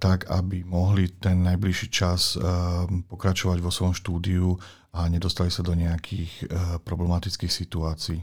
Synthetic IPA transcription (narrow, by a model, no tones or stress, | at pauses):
t̪akabimɔɦlit̪ɛnːajbliʃiːt͡ʃas | pɔkɾat͡ʃɔʋaɟʋɔsʋɔjɔmʃt̪uːd̪iu | aɲɛd̪ɔst̪alisad̪ɔɲɛakʰiːxpɾɔblɛmat̪it͡skixsit̪uaːt͡siː